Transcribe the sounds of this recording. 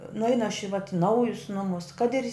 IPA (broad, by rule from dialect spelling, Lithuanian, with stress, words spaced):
nʊˈɛɪnʊ ɐʃ ɪ ʋɐt ˈnɐʊjʊs ˈnʊmʊs kɐt ɪr